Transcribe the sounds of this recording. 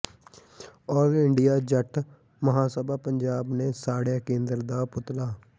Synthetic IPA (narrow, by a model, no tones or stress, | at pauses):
ɔːɾɪɳɖijaːd͡ʒəʈʰ | məɦãːsəbaːpəɲd͡ʒaːbneːsaːɽjaːkẽːnd̪əɾd̪aːpʊt̪laː